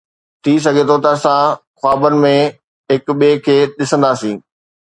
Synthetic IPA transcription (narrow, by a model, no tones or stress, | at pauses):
t̪ʰis̬ɐɡʱet̪ʰot̪ɐɐsãxaːbənɪ̆mẽ | ɦɪkɓiekʰeːɗɪsə̃nd̪aːsĩː